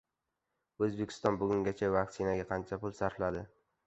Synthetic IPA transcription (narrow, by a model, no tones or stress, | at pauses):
ɵzbe̞kʲʰɪ̥st̪ɒnbʊɡʲʊŋɡʲat͡ʃʰavakʲsɪnaɡʲaqʰɑnt͡ʃʰapʊlˠsaɾflad̪ɪ